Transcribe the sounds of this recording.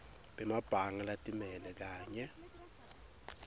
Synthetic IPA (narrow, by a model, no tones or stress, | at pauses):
ɓʼɛmab̥ʱaŋalatʼimɛlɛk̬aːɲɛ